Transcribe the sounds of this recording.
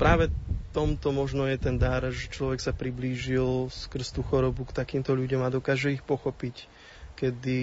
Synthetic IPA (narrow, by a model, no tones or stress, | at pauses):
pɾaːʋɛt̪ɔmt̪ɔmɔʒnɔjɛt̪ɛnd̪aɾʒɛt͡ʃlɔʋɛksapɾibliːʒilskr̩st̪uːxɔɾɔbukt̪akiːmt̪ɔʎuɟɔmad̪ɔkaːʒɛixpɔxɔpic | kɛd̪i